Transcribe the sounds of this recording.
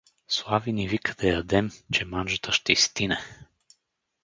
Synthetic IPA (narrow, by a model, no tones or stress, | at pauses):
slˠavinivikə̥d̪̥ɐjɐd̪ɛmt͡ʃɛmanʒət̪əʃt̪ɛist̪inɛ